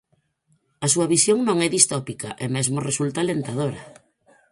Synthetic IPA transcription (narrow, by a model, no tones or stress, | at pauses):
ɐsuɐβisjoŋnõŋɛðist̪ɔpikaʔemezmoresult̪alent̪aðoɾɐ